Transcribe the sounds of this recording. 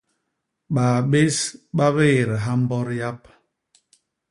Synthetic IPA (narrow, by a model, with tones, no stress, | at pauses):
ɓa˨ɓe˦sɓa˦βe˦˨ɾɦa˦m̩˦bɔ˦ɾja˦p̚